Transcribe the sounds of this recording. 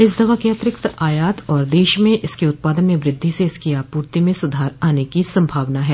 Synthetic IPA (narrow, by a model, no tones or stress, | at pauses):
ɪs̬d̪ɐʋakeɐt̪ɾɪkt̪ʔaːjaːt̪ɔːɾd̪eːʃmẽʔɪskiʊt̪̚paːd̪ənmẽʋɾɪd̪ʱːiseɪskiaːpuːɾt̪imẽsʊd̪ʱaːɾaːnekisɐ̃mbʱaːʋnaɦɛː